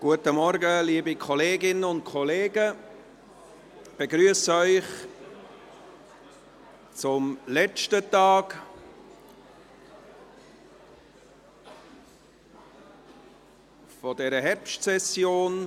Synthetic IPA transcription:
ɡ̥uətəmɔɾɡəliːbikʰɔleːɡɪnəʊnt̚kʰɔleːɡə | b̥eɡɾyəsœʏχ | t͡sʊmlɛt͡ʃtətɑːɡ̥ | fɔdɛːɾəɦɛɾpʃtsɛsjoːn

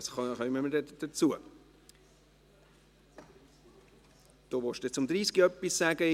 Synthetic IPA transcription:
sχχœmːəmədɛd̥ət͡suə | d̪̥oːʋɔʃd̥et͡sʊmd̪ɾiːsɡiœpːissæɡə

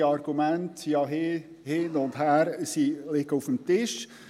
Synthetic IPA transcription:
ɑɾɡ̥umæntjɑɦɪ | hɪnʊndhæːɾsilɪɡəufəmtɪʃ

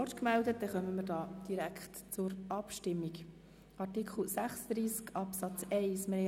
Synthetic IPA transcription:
ɔtkmæld̪ət̚d̥̪ɛχœməməɾdɑːd̥iɾækχtt͡sʊɾɑpʃtɪmːik | ʔɑrtikχl̩sæχsəd̥̪ɾiːskɑpsɑt͡sɛɪsme

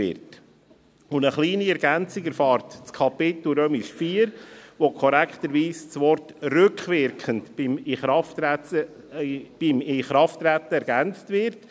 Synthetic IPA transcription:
ɪ̰ɾt | ʊndəχliːniɛɾɡænt͡sɪɡɛɾfɑːɾtt͡skʰɑpɪt̪l̩ɾøːmiʃfiːɾʋokʰɔɾækχt̪əɾʋiːst͡sʋɔɾtrʏkχʋɪɾkχəntmɪχɑftæə | b̥imɪχɾɑftɾæt̪ːəɛɾɡænt͡stvɪɾt

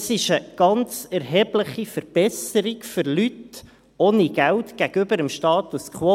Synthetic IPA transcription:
sɪʃəɡ̥ɑnt͡sɛɾɦɛːbləχifəɾb̥ɛsəɾiɡfʏɾlyt | oːniɡ̥æwtɡ̥æɡ̥ʏbəɾəmʃtɑːt̪uskχwo

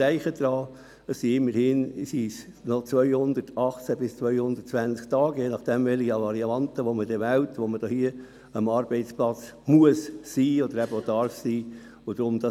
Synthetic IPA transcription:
æɪχəd̪̥ɾɑː | əssiɪmːəɾhɪnsiːs | nɔt͡sʋœʏhʊnd̪ətʰɑχt͡sæbɪst͡sʋœʏhʊnd̪ətt͡sʋænt͡sk̚t̪ɑːɡɛnɑχd̥ɛmvɛliɑlɑɾiɑɑnt̪əʋomədɛʋæwtʋoməd̥ohiə | əmɑːɾb̥ɛɪt͡splɑt͡s | muəssiːɔd̪əɾæb̥əod̪ɑrfsiː | ʊd̥̪ɾʊmd̥̪ɑ

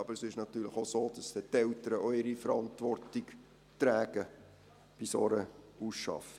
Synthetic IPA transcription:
ɑbəɾsɪʃnɑt̪yːləχosoːd̥ɑsɛt̪ɛltəɾəʔoɪɾifəɾɑntʋɔrtiɡ | tɾæːɡə | b̥ɪsɔɾəusʃɑ̰fə

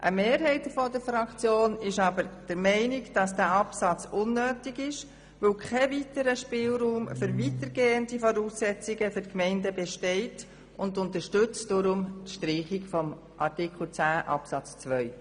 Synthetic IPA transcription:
ʔəmeːɾɦɛɪtfɔdəfɾɑkt͡sjoːnɪʃɑbəɾd̥əɾmɛɪnɪɡd̥ɑsd̥æːɑpsɑt͡sʊnːøːtɪɡɪʃ | ʋokʰɛvitəɾəʃpɪlɾuːmfʏɾvitəɾɡeːəndifɔɾuːsːɛt͡sɪɡəfʏɾkmɛɪndəbɛʃtɛɪt | ʊndʊntəʃtʏt͡sd̥ɔɾʊmtʃtɾiːχɪkfɔm | ʔɑɾtɪkl̩t͡sæːʔɑ̰psɑt͡st͡sʋœʏ

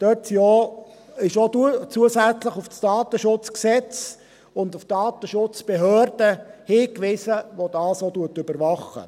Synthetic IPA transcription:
d̥øtjoːɪʃotut͡suəsæt͡sləχʊfstɑːt̪əʃʊt͡sksɛt͡s | ʊndʊftɑːt̪əʃʊt͡sb̥eɦøːrd̥əhiːkʋɪsəʋod̥ɑːsotuətʏbəɾʋɑχə̰

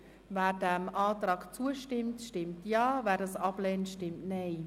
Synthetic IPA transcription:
ʋɛːrdɛːmʔaːt̪rɑːkt͡suəʃtɪmtʃtɪmtjaːʋɛːɾəsʔɑpleːnʃtɪmtnej

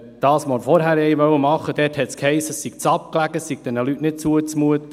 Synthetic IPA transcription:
d̪̥ɑːsmoɾfɔɾɦæːɾɛɪʋœwəmɑχːəd̥̪ɛːthɛt̪skhɛɪsːəsiɡ̥̚t͡sɑp̚klæɡəsiɡ̥̚d̥̪ɛnəlytnɪt̚t͡suət͡smuət̪ə

